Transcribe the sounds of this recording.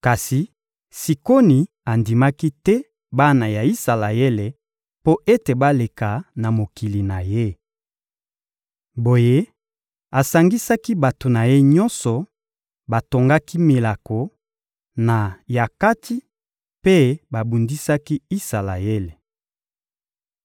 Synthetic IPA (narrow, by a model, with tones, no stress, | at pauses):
ka˨si˨ | si˨ko˦ni˨ | a˨ndi˨ma˦ki˦tɛ˦ | ba˦na˨ja˨i˦sa˨la˨e˦le˨ | po˦ʔe˦te˨ba˦le˨ka˨na˨mo˨ki˨li˨na˨je˦ | bo˨je˦ | a˨sa˨ŋɡi˦sa˦ki˦ba˨to˨na˨je˦ɲɔ˦nsɔ˨ | ba˨to˨ŋɡa˦ki˦mi˨la˨ko˨ | na˨ja˨ka˦ti˦ | pe˦ba˨bu˨ndi˦sa˦ki˦i˦sa˨la˨je˦le˨